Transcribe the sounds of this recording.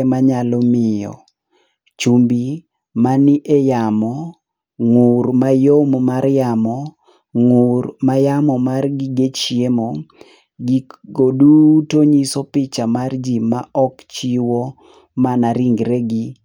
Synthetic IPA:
maɲalɔmɪjɔ̰ | t͡ʃumbi | manɪʔejamɔ | ŋuɾmajommarjamɔ | ŋurmajamɔmarɡiɡet͡ʃjemo | ɡiɡodutoɲisɔpɪt͡ʃamard͡ʒima̰ʔɔkt͡ʃiwo | manaɾiŋɡɾeɡi

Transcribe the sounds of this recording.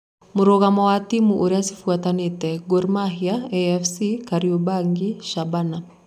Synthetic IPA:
muɾɔɣamawatimuʔuɾiasi̥fuatanetɛɡɔɾmaɦiaɛɛfsikaɾiobaŋɡiʃabana

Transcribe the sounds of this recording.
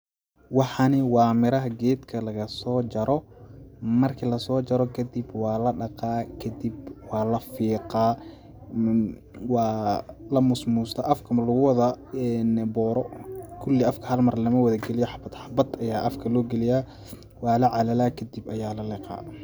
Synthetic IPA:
wɑħɑnɪwɑːmɪɾɐɦɐɡɛːd̪kʰɐlɐɣɐsɔːt͡ʃɐɾʔɔ | mɐrkʰɐlɐsɔːt͡ʃɐɾɔkʰɐd̪ibwɑːlɐɖɑqɑːkʰɐd̪ibwɑːlɐfiːqɑː | wɑːlɐmʊsmust̪ʰɐʔɐfkʰɐmɐlʊɣʊwɐðɐɛnbɔːɾɔkʰʊlːɪɐfkʰɐhɐlmɐrlɐmɐwɐðɐɡɛlɪjɔħɑbɐd̪ħɑbɐd̪ɐjaːʔɐfkʰɐlɔːɡɛlɪjaː | wɑːlɐʕɑlɐlakʰɐd̪ibɐjaːlɐlɪqɑ̰ː

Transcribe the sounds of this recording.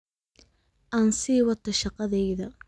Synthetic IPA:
ʔansiːwɐt̪ʰːɐʃɑqɑðɛjðɐ

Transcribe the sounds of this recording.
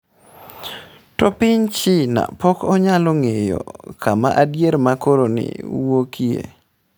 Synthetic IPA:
tɔpɪɲt͡ʃɪna̰pɔkɔɲaloŋejo̰kama̰ʔadjeɾmakoɾonɪ̰wokiḛ

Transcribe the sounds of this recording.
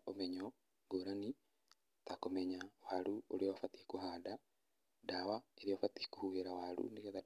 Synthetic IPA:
omeɲɔ | ɡoɾani | takomɛɲawaluoɾioafatikuhaːda | dawaeɾiofatikuhuheɾawaɾṵnijeða

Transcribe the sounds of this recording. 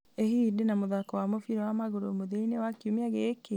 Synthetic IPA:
ehidenamoðakɔwamofiɾɛwamaɣoɾomoðeinewakiomiaɣeke

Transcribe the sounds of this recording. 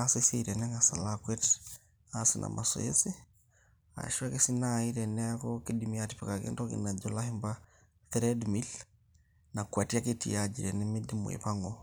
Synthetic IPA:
aseseiɾɛnɛŋasalakwɛt | asinʔa̰mʔasɔ̰ḛsi | a̰ʃuakesinaiɾɛnɛakɔkedimiatipɛkakɛ̰ndɔkḭnad͡ʒɔlahimba | θɾɛdmil | nakwatiaketḭad͡ʒiɾɛnɛmedim̰ḛpaŋɔ

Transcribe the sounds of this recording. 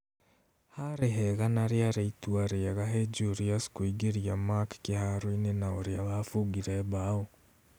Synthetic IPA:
haɾeɦeɣanaɾjaɾeitwaɾeɣaɦed͡ʒuɾiaskuiɡeɾiamakkehaɾoinenaoɾeaβafuɡiɾeβaːo

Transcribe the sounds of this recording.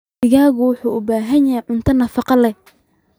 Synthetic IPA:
ɪɣaːɣʊwʊħuːʔʊbaːɦɐnjɐɦɛʕʊnt̪ʰɐnɐfɑqɑlɛ

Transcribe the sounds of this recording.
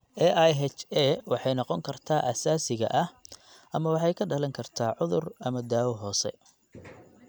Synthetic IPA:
ʔɛʔajɦɛt͡ʃɛwɑħɑjnɑqɔŋkʰɐrt̪ʰaːʔɐsaːsɪɣɐ̰ʔɐh | ʔɐmɐwɑħɑjkʰɐɖɐlɐŋkʰɐrt̪ʰaːʕʊðʊrɐmɐd̪aːwɔɦɔːsɛ̰

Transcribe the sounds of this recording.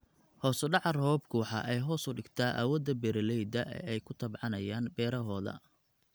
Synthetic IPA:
hɔːsʊɖɑʕɑrhɔːbkʰuːħɑ̰ʔɛjɦɔːsʊɖɪɡt̪ʰaːʔa̰ːwɐd̪ɐbɛɾɐlɛjd̪ɐʔɛ̰ɛjkʰʊt̪ʰɐbʕɑnɐjaːnbɛːɾɐɦɔːðɐ̰

